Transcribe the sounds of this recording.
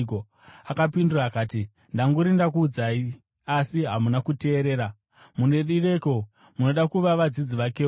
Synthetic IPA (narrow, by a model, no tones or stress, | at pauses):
o | akapinduraːkaːti | ndaŋɡuɾindakuːd͡zai | asiɦamunakute̞ːɾe̞ːɾa | mune̞ɗire̞ko̞ | muno̞ɗakuʋaʋad͡zid͡ziʋake̞ː